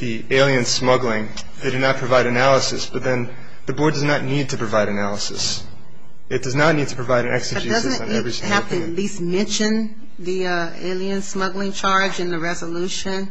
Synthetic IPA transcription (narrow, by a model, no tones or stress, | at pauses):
ði | eɪlˠiɨ̃nsmʌɡlˠɪ̃ŋ | d̥ɨdɨnət̚pʰɹ̥ɨvaɪɾɨnælˠəsɨ̰sb̥ʌt̪̚ðɨ̃n | ðɨbɔɹdʌznətⁿnid̚tʰɨpʰɹ̥ɨvaɪɾɨnælˠəsɨ̰s | ɨt̚d̥ʌznətⁿnid̚tʰɨpʰɹ̥ɨvaɪɾɨ̃nɛ̰ksɨd͡ʒid̥ʌznn̩iɛvɹisɪ̃hæftɨtˡlist̚mɛ̃nʃɨ̃n | ði | ʌ | ḛɪlˠiɨ̃nsmʌɡlɪ̃ŋt͡ʃʰɑɹd͡ʒɨ̃nðɨɹɛzəluʃɨ̃n